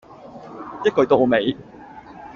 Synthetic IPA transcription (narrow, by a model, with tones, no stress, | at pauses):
jɐ˥t̚kɵ˨˧˥t̪o˥˨˧me˨˧j